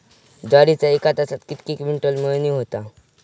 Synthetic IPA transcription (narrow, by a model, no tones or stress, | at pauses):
d͡ʒɔɾit͡saekat̪asat̪kit̪kikmiɳʈolməniɦot̪a